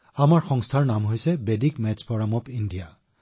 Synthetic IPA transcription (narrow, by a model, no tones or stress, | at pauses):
amaɹxɔŋstʰaɹnamɦojsɛbedikmɛt͡ʃpɔɹamɔpindija